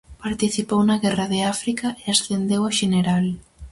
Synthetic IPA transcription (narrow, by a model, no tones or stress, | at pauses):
paɾt̪iθipownaɣɛraðeafɾikaʔeasθend̪ewaʃeneɾal